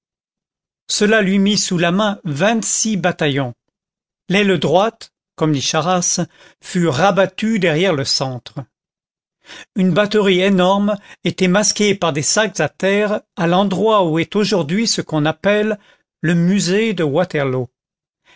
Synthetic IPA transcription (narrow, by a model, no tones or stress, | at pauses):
səlalɥimisulamɛ̃vɛ̃t̪sibat̪ajɔ̃ | lɛld̪ʁwat̪ | kɔmd̪iʃaʁas | fyʁabat̪yd̪ɛʁjɛʁləsɑ̃t̪χə | ynbat̪əʁienɔʁmet̪ɛmaskʲepaʁd̪esakzat̪ɛʁalɑ̃d̪ʁwauɛt̪oʒuʁd̪ɥisəkɔ̃napɛlː | əmyzed̪əwat̪ɛʁlo